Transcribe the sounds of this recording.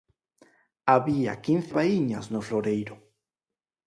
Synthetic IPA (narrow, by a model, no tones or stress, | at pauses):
aβia̰kinθeβaiɲasnofloɾejɾo